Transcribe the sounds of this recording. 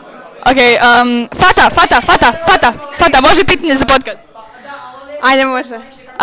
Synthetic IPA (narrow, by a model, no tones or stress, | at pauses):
ʔokejəmfat̪afat̪afat̪afat̪afat̪amoʒɛpiːt̪aɲezapot̪̚kast̪̚ | ajd̪ɛmoʒɛ